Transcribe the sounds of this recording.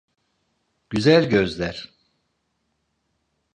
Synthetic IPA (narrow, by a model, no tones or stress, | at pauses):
ɟ̥yzælʲɟøzlʲæɾ̥